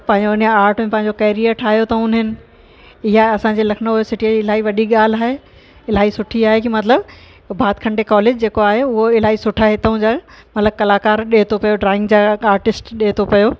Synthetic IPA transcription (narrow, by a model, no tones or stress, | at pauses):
pɐ̃ɦɪ̃ɲd͡ʑonaːɾʈmẽpɐ̃ɦɪ̃ɲd͡ʑokɐɪɾijəɾʈʰaːɦijot̪ɐʊnɦɪnɪ̆ | ɪɦaɐsãɲd͡ʑeːlɐkʰɪnəesɪʈijəd͡ʑiɪlaːiʋɐɗiɠaːl̤aːɦe | ɪlaːɦisʊʈʰiaːɦekimɐt̪ləb | bʱaːt̪kʰɐ̃ɳɖekɔːleːd͡ʑd͡ʑeːkoaːɦeʊɦoɪlaːisʊʈʰaɦet̪ɐũd͡ʑaːmɐt̪ləb̚kɐlaːkaːɾɗeːt̪ʰopɐjoɖɾaːɪ̃ŋɡd͡ʑaːaːɾʈɪsʈɗeːt̪ʰopɐjo